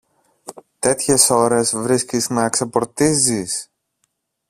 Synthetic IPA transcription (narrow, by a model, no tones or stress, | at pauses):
t̪e̞t̪çe̞so̞ɾe̞zvɾiscizmeɐksepo̞ɾt̪izis